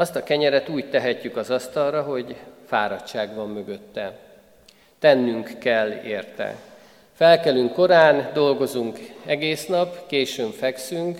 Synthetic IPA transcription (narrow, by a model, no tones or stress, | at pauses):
ɒst̪ɒkɛɲɛɾɛt̪uːct̪ɛɦɛcːykɒzɒst̪ɒlrɒɦo̞ɟfaːɾɒtt͡ʃaːɡʋɒmːø̞ɡø̞t̪ːɛ | t̪ɛnːyŋkːɛlːeːrt̪ɛ̰ | fɛlkɛlyŋkːo̞ɾaːnd̪o̞lɡo̞zuŋkɛɡeːsnɒpkeːʃøːbfɛksyŋk